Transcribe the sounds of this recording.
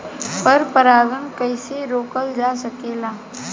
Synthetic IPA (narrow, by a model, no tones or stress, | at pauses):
pəɾpəɾaːɡənkəɪseɾoːkəld͡ʒaːsɐkeːlaː